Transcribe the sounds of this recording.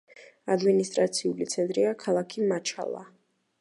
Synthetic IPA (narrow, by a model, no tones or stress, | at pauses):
ad̪minist̪ʼɾat̪sʰiulit̪sʰɛnt̪ʼɾiakʰalˠakʰimat͡ʃʰa̰lˠa̰